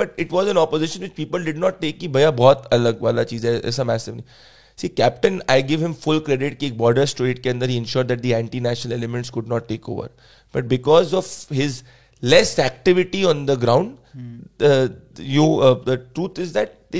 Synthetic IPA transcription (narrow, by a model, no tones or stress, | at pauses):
b̥ɐʈɪʈʋɔːzɛ̃nɔpozɪʃə̃nʋɪt͡ʃpiːpəlɖɪɖnɔːʈ̚ːeːkːibʱɐjabɔːt̪ɐləɡʋaːlat͡ʃiːzɛʔɛ̰ːsamæːsɪʋnĩ | siːkæp̚ʈə̃naɪɡɪʋɦɪ̃mfʊlkɾɛɖɪʈkeːk̚bɔːɾɖəɾsʈuɪʈ̚kẽɐ̃nd̪əɾɦiːɛ̃nʃɔːɾd̪æʈ̚d̪iæ̃ɳʈinæːʃənəlɛlɪmɛ̃ɳʈskʊɖnɔːʈːeːko̰ːʋə̰ɾ | b̥ɐʈ̚bɪkɔːzɔʋhɪz | lɛsæk̚ʈɪʋɪʈiɔ̃nd̪əɡɾãʊ̃ɳɖ | jnod̪əʈɾuːt̪ʰɪzd̪æʈ̚d̪e